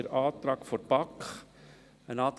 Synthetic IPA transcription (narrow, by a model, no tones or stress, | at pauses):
əɾɑːt̪ɾɑːkfɔɾpɑkχ | ənɑːt̪